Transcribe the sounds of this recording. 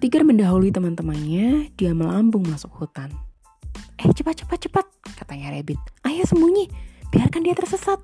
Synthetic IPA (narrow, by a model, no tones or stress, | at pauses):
t̪iɡarməndaɦulit̪əmant̪əmanɲadiaməlambʊŋmasʊkhut̪an | ɛht͡ʃəpat̪̚t͡ʃə̥pat̪̚t͡ʃəpat̪̚kat̪aɲaɾebɪt̪̚ʔajasəmuɲab̥iarkandiat̪ərsəsat̪̚